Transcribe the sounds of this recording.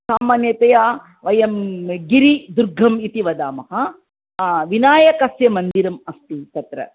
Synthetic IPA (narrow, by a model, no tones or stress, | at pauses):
saːmaːnjɐt̪ɐjaː | ʋɐjɐmɡiɾid̪uɾɡʱɐmit̪iʋɐd̪aːmɐɦɐ | ʋinaːjɐkɐsjɐmɐnd̪iɾɐmɐst̪it̪ɐt̪ɾɐ̰